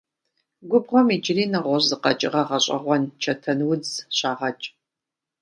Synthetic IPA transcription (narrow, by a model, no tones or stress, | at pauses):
ɡʷʊbʁʷɔmid͡ʒʼɪriːnɐʁʷɔʑzɨqɐ̰t͡ʃʼɪʁɐʁɐɕʼɐ̰ʁʷɔnt͡ʃʰɐtʰɐnwʊd͡zɕaːʁɐt͡ʃʼ